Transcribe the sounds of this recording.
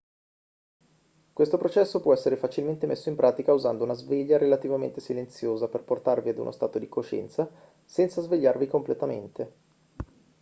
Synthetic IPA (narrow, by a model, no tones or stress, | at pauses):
kwest̪opɾot͡ʃɛsːopwɔɛsːeɾefat͡ʃilment̪emesːoimpɾʔaːt̪ikauzand̪ounazveʎːaɾelat̪ivamḛnt̪esilent̪sjoːzaperport̪arviad̪ṵnʔo̰st̪aːt̪od̪ikoʃɛ̰nt̪sa | sɛnt̪sazveʎːarvikomplet̪amḛnt̪e